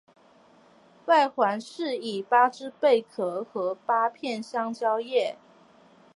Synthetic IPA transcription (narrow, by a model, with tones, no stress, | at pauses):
wa˥˩ɪxwa˧˥nʂɻ̩˥˩i˨˩pa˥ʈ͡ʂɻ̩˥pe˥˩ɪkʰɤ˧˥xɤ˧˥pa˥pʰjɛ˥˨nɕjɑ˥ŋt͡ɕjɑ˥ʊjɛ˥˩